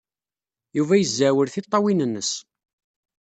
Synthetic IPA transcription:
juvæjəzːæwəɾθit̪ˤːɑwinənːəs

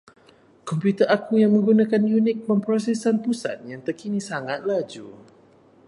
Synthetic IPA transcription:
kɔmpjut̪ərʔakujaŋmə̃ŋɡunãkanjunɪk̚məmpɾos̬ɛsanpusa̰t̪̚jaŋt̪ərkinisaŋat̪̚lad͡ʒu

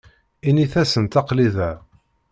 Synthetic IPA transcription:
iniθæsənt̪ɑqliðæ

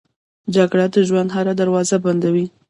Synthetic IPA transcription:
d͡ʒaɡɽad̪əʒwand̪ɦaɾad̪aɾwɑzaband̪awi

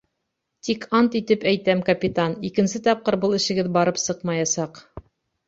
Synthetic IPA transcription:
t̪ikʰɑnt̪it̪ɘpæjt̪æmkɐpʲit̪anikɘ̆nsɘt̪ɑp̚qɤɾbɤlˠɘ̆ʃɘ̆ɡɘðbɑɾɤpsɤqmɑjɑsɑq

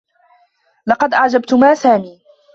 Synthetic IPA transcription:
lɑqɑd̪ʔaʕd͡ʒabt̪ʊmaːsaːmiː

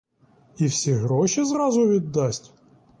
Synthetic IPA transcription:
iwsʲiɣɾɔʃizɾɑzʊʋʲid̪ːɑsʲtʲ

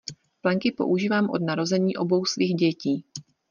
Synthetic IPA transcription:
plɛŋkɪpoʔuʒiːvaːmʔo̞̰dnaɾo̞zɛɲiːʔo̞bo̞wsviːɣɟɛciː

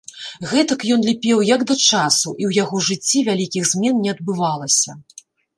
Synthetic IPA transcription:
ɣɛt̪ɐkjɔnlʲipʲɛwjɐɡd̪ɐt͡ʂasuʔiwjaɣɔʐɨt͡sʲːivʲalʲikʲiɣzʲmʲɛnnʲɛɐd̪̚bɨvalˠɐsʲɐ

